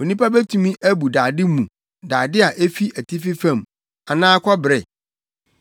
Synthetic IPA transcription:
o˨nĩ˦pa˦bɛ˦tʰũ˨mĩ˦ʔæ˦bu˨daː˨dɪ˦mũ˨ | daː˨dɪ˦a˨ʔe˦fi˦æ˨tʰi˦fɪ˦fã˦˨m | a˨nãː˦kʰɔ˦bɾɛ˨

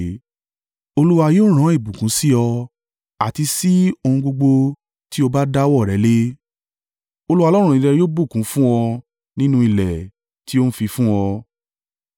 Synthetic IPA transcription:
o˧lu˦wa˧joː˦ɾ̃ã˨˦i˦˨bũ˨kũ˨˦si˦ɔ˧ | a˨ti˧si˦o˧hũ˧ɡ͡bo˧ɡ͡bo˧ | ti˦o˧ba˦da˦wɔ˦˨ɾɛ˨˦le˦ | o˧lu˦wa˧lɔ˦ɾ̃ũ˦˨ĩ˨˧ɾɛ˧jo˦bu˦˨kũ˨˦fũ˦ɔ˧ | nĩ˦nũ˦i˨lɛ˨ | ti˦o˦n̩˦fi˧fũ˦ɔ˧

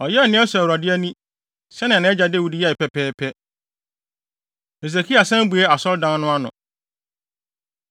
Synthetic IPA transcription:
ɔ˨jɛ˦˨nɪ̃˦ɛ˦swɾa˨dɪ˦æ˦nĩ˦ | sɛ˦nɪ̃˨nɪ̃˦ɛ˦d͡ʑa˨˦de˦wu˦di˦jɛ˦˨pɛ˦pʰɛː˦pʰɛ˦ | e˨s̬e˨kʰi˦a˨sɛ̃˦m˦bu˨ɛ˦a˨sɔ˦ɾdã˦n˦nʊ̃˦a˦nʊ̰̃˨

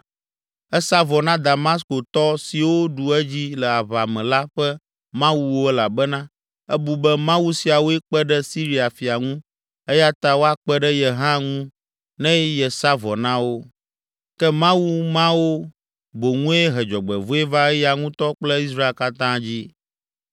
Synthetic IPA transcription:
ɛ˦sa˦vɔ˨nã˦d̪a˨ma˦s̬ko˨t̪ɔ˦si˨wo˦ɖu˨ɛ˦d͡ʑi˦lɛ˨a˨βa˨mɛ̃˨la˦ɸɛ˦ | mã˦wu˦wo˦ɛ˦la˨bɛ˦nã˦ | ɛ˦bu˨bɛ˦mã˦wu˦si˨a˨wo˦ɛ˦k͡pɛ˦ɖɛ˦si˦ɾi˦a˨fi˨a˨ŋũ˦ | ɛ˦ja˦t̪a˦wo˦a˦k͡pɛ˦ɖɛ˦jɛ˨ɦã˦ŋũ˦ | nɛ̃˦jɛ˨sa˦vɔ˨nã˦wo˦ | kɛ˦mã˦wu˦mã˦wo˦ | bo˨ŋũ˦e˦ɦɛ˨d͡ʒɔ˨ɡ͡bɛ̰˨vo˦e˦va˦ɛ˦ja˨ŋũ˦t̪ɔ˦k͡plɛ˦i˦s̬ɾa˦e˦˨ka˦t̪ã˦d͡ʑi˦

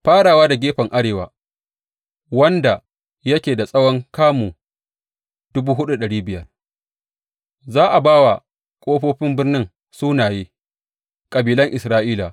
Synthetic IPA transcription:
ɸaː˦ɽaː˨waː˦da˨ɡʲeː˦ɸɐ˨ŋʔa˦ɽeː˨wa̰ː˨ | wɐ˦nda˨ | jɐ˦kʲeː˨da˨sʼɐ˦wɔ˦ŋkaː˦muː˨ | d̥ʊ˦buː˦ɦʊ˦ɗu˦ɗɐ˨ɽiː˦bɪ˨jɐ˦r | zaː˦ʔa˨baː˦wa˨ | kʷʼoː˦ɸoː˦ɸɪ˦mbɪ˦rnɪ˦ŋ | suː˦naː˨jeː˦ | kʼɐ˨biː˨lɐ˦ŋʔɪ˨sɾaː˦ʔiː˦la˨

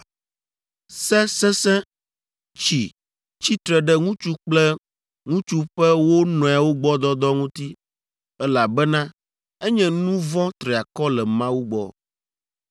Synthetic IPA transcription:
sɛ˦sɛ̃˦sɛ̃˦ | t͡ɕi˨ | t͡ɕi˦t̪ɾɛ˨ɖɛ˦ŋũ˦t͡ʃu˦k͡plɛ˦ | ŋũ˦t͡ʃu˦ɸɛ˦wo˦nɔ̃˨a˨wo˦ɡ͡bɔ˦d̪ɔ˦d̪ɔ˦ŋũ˦t̪i˦ | ɛ˦la˨bɛ˦nã˦ | ɛ˦ɲɛ̃˦nũ˦vɔ̃˦t̪ɾe˨a˨kɔ˦lɛ˨mã˦wu˦ɡ͡bɔ̰˨

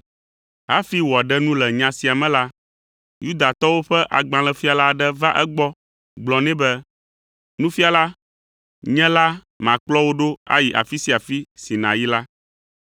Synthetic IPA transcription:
ɦa˦fi˦wɔ˨a˨ɖɛ˦nũ˦lɛ˨ɲã˨si˨a˨mɛ̃˦la˦ | ju˦d̪a˨t̪ɔ˦wo˦ɸɛ˦ʔa˨ɡ͡bã˨lɛ˨fi˦a˨la˦˨ɖɛ˦va˦ʔɛ˦ɡ͡bɔ˦ | ɡ͡blɔ˨nɛ̃˦bɛ˦ | nũ˦fi˦a˨la˦ | ɲɛ̃˦la˦ | mã˨k͡plɔ˦wo˦ɖo˦a̰˦ji˨ʔa̰˨fi˦si˦a˨fi˦si˨nã̰˨ji˦la˦

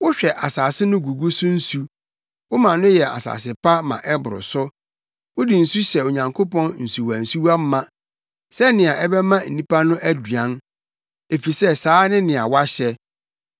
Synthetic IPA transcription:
wʊ˦ɕᶣɛ˨ʔa˨saː˨sɪ˦nʊ̃˦ɡu˨ɡu˦sʊ˦n̩˦su˦ | wʊ˦mã˨nʊ̃˦jɛ˨a̰˨sa̰˨sɪ˨pa˦mã̰˨ʔɛ˦bʊ˨ɾʊ̰˨sʊ˦ | wʊ˦di˨n̩˨su˦ɕɛ˨o˨ɲã˨ŋkʰo˦pɔ̃˦nn̩˨su˨wa˨n̩˨su˦wa˦m̩˦mã˦ | sɛ˦nɪ̃˨a˨ʔɛ˦bɛ˦mã˦n̩˨nĩ˦pa˦nʊ̃˦ʔæ˦dɥã˦n | e˨fi˨sɛ˦saː˨˦nɪ̃˦nɪ̃˨a̰˨wa˦ɕɛ˦

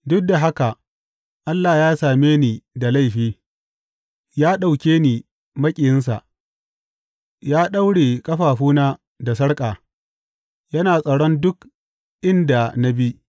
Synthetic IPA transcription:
dʊ˦k̚da˨ɦa˦ka˨ | ʔa˦lːaː˨jaː˦saː˨meː˦niː˨da˨la˦jɸiː˦ | jaː˦ɗa˨wkʲeː˦niː˨ | mɐ˦kʲʼɪ˨jɪ˦ns̬a̰˨ʔ | jaː˦ɗa˦wɽeː˨kʼɐ˦ɸaː˨ɸuː˦naː˦ | da˨sɐ˦ɽkʼaː˨ | jɐ˦naː˨sʼɐ˨ɽɔ˦ndʊ˦k | ʔɪ˦nda˨na˦bi˦

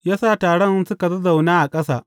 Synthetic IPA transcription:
jaː˦saː˦˨taː˨ɽɐ˦nsʊ˦ka˨zɐ˦za˨wnaː˦ʔa˨kʼɐ˦sa̰ː˨

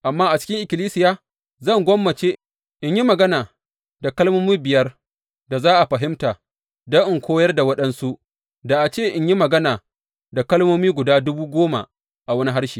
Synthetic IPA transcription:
ʔa˨mːaː˦ʔa˨t͡ʃɪ̥˦kʲɪ˦ŋʔɪ˨kʲɪ˨liː˦sɪ˨˦jaː˦ | zɐ˦˨ŋɡʷɔ˦mːɐ˨t͡ʃe˦ | ʔɪ˦ɲji˦mɐ˨ɡɐ˦naː˨ | da˨kɐ˦lmoː˦miː˦bɪ˨jɐ˦r | da˨zaː˦ʔa˨ɸɐ˨ɦɪ˦mtaː˨ | dɐ˦ŋʔɪ˨ŋkʷʰoː˦jɐ˦rda˨wɐ˦ɗɐ˦nsu˦ʔ | da˨ʔa˨t͡ʃeː˦˨ʔɪ˦ɲji˦mɐ˨ɡɐ˦naː˨ | da˨kɐ˦lmoː˦miː˦ɡʷʊ˨daː˦dʊ˦buː˦ɡʷoː˦ma̰˨ | ʔa˨wɐ˦ni˦ɦa˦rʃiː˨

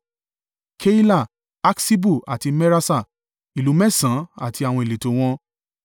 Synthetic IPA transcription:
kʰe˦i˦la˦˨ | a˦ksi˦bu˦˨a˨ti˧mɛ˦ɾa˦sa˦˨ | i˨lu˨˦mɛ˦˨sã˨˦a̰˦˨ti˧a˨w̃ɔ̃˧e˨le˨to˨˦w̃ɔ̃˧

